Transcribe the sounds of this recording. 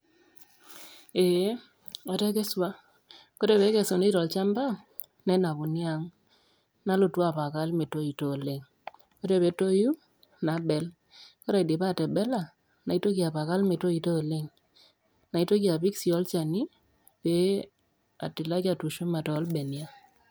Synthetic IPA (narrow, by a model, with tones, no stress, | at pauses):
e˨˦ | a˨tɛ˦kɛ˦swa˦ | ko˦ɾe˦˨βe˨˦kɛ˨so˨ne˦i˦tɔ˨lt͡ʃa˦mba˦ | nɛ˦na˨βʊ˨nja˦ŋ | na˦lo˨twa˦˨pa˨ka˦lme˨to˦i˨to˦˨le˦ŋ | ko˦ɾe˦˨βe˨˦to˦ju˦ | na˨˦bɛ˨l | ko˦ɾe˨de˨pa˦˨tɛ˨bɛ˦la˦˨ | na˨i˦to˦ki˨a˨pa˨ka˦lme˨to˦i˨to˦˨le˦ŋ | na˨i˦to˦ki˦a˨pi˦ksi˨ɔ˦lt͡ʃa˨ni˦ | pe˦ | a̰˨tɪ˨la˦ka˨tu˨ʃo˦ma˨tɔː˨˦lbɛ˨nja˦